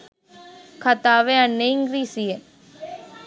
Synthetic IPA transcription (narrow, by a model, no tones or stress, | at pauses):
kʰɐt̪aːʋeɐnːeiŋɡɾiːsije